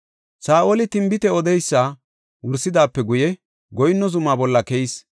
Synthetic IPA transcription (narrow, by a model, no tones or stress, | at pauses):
saːʔolɪt̪ɪmbɪt̪ɛɔd̪ɛjsːa | wʊɾsːɪd̪aːpːɛɡʊjɛ | ɡɔjnːɔzʊmaːbɔlːɐkɛjɪs